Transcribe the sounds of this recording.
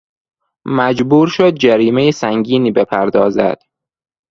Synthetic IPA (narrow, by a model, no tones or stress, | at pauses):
mæd͡ʒbuːɾʃod̪̚d͡ʒæɾiːmejesæŋɡiːniːbepʰæɾd̪ɒːzæ̰d̪̥